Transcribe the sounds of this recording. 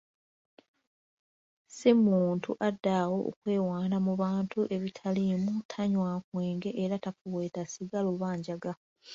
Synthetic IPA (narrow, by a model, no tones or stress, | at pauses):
semuːntuʔadːawo̞o̰kwe̞ːwaːnamuβaːntʰuʔe̞βitʰalimutʰaɲwaːkweːŋɡe̞ʔeɾatafuweːtasiɡaloβaːɲɟaɡa